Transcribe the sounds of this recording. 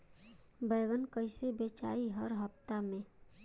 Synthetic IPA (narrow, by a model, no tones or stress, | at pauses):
bəːɡənkəɪsebeːt͡ʃa̰ːiɦəɾɦəpt̪amẽ